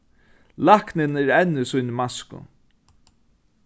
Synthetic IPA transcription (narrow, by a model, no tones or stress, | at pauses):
lahknɪnɛɾɛnːʏsʊjnmaskʊ̰